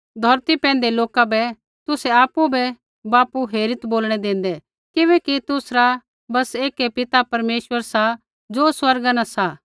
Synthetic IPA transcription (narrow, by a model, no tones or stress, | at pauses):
d̪ʱɔɾt̪ipɛ̃ːnd̪eloːkabɛ | t̪ʊsɛaːpubɛ | baːpuɦeːɾɪt̪boːlɽ̃ɛd̪ẽːn̆d̪ɛ | kɪʋɛːkit̪ʊsɾa | bɐseːkepɪt̪apɐɾmeːʃwəɾsa | d͡ʒoːswɐɾɡanãsa